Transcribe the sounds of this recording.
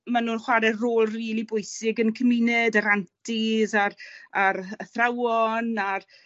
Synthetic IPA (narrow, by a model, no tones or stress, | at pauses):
manuːnχwaɾɛroːlˠriːlˠibʊjsɪɡənkʰəmɪnɛdaɾantʰizaraɾəθrawɔnar